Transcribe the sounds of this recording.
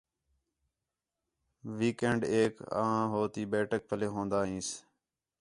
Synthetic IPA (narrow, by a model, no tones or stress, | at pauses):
ʋiːkeːɳɖeːka̰ːãːɦoːt̪iːbeːʈək̚pʰəleːɦõːnd̪aːɦĩːs